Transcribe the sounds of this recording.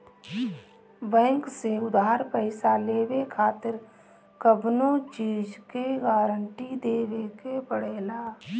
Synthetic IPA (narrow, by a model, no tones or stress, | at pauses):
bɛ̃ːŋkseʊd̪aːɾpəɪsaleːwekʰaːt̪ɪɾ | kəbnot͡ʃiːd͡ʒkeɡaːɾəɳʈid̪eːwekebəɽeːlaː